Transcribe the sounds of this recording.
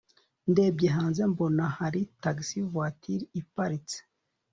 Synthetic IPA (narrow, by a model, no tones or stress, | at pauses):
ndeːb̚ɟeɦaːnzembonahaɾitaɡsivwatʰiɾipaɾit͡se̥